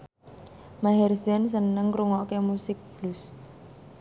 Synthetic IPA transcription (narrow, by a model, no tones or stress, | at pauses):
maɦɛrsɛns̬ənəŋɾuŋɔkemusɪk̚b̥lus